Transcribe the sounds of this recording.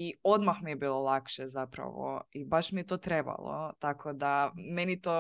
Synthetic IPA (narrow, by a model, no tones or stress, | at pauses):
iod̪maxmijɛbilˠolˠakʃɛzapɾa̰ʋo̰ibaʃmijɛt̪ot̪ɾɛba̰lˠo̰t̪akʰod̪amɛnit̪o